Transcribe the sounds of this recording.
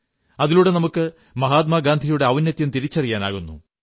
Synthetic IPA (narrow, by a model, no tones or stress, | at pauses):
ɐðiluːɽe̞nɐmukːɨ | mɐɦaːt̪̬mɐɡaːnd̪ʱijuɽe̞ɐʋɐnjɐt̪ːjɐmt̪iɾit͡ɕːɐrijaːna̰ːɣunːṵ